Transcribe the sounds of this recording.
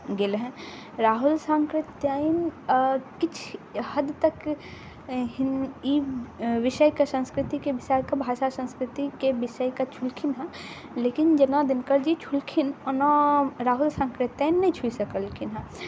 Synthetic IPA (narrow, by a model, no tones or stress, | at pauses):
ɡelɦɛ̃ | ɾaːɦʊlsãːŋkɾɪt̪jaːin | kɪt͡ʃʰhɐd̪t̪ɐk | ɦɪniʋɪʃəjkasɐ̃nskɾɪt̪ikeʋɪsaːjkabʱaːʃasɐ̃nskɾɪt̪ikebɪʃəjkat͡ʃʰʊlkʰɪnɦɛ̃ | leːkɪnd͡ʒɐnãd̪ɪnkəɾd͡ʒit͡ʃʰʊlkʰɪnɔnaɾaːɦʊlsãːŋkɾɪt̪jaːjnːɐĩt͡ʃʰuisɐkəlkʰɪnɦɛ̃